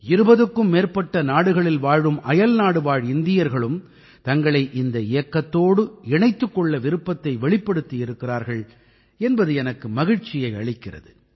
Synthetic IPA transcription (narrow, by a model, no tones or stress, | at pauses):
ɪɾɯbɐðɯkːɯmːeːɾpɐʈːɐnaːɽɯɣɐɭɪlʋaːɻʋɯmʔɐjɐlnaːɽɯʋaːɻɪnd̪ɪjɐɾɣɐɭɯm | t̪ɐŋɡɐɭɐɪʔɪnd̪ɐɪjɐkːɐt̪ːoːɽɯɛnɐɪt̪ːɯkːɔɭːɐʋɪɾɯpːɐt̪ːɐɪʋɛɭɪpːɐɽɯt̪ːijɪɾɯkːɪraːɾɣɐɭ | ɛnbɐðɯɛnɐkːɯmɐɣɪɻt͡ʃːɪjɐɪɐ̰ɭɪkːɪrɐ̰ðɯ